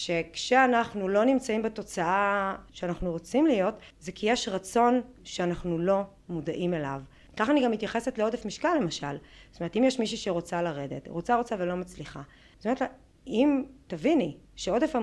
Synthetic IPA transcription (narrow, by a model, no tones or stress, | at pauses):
ʃe̞kʃeanaχnulo̞nimt͡saimbeto̞t͡saaʃeanaχnuʁo̞t͡simlijo̞tzekijeʃʁat͡so̞n | ʃeanaχnulo̞ | mudaʔime̞la̰v | kaχaniɡamːitjaχe̞setleo̞defmiʃkalːe̞maʃa̰ltome̞et̪imjeʃmiʃuʃeʁo̞t͡salaʁe̞d̪ḛtʁo̞t͡saʁo̞t͡savelo̞mat͡sliχa̰ | tometla | imtaviniʃeo̞defa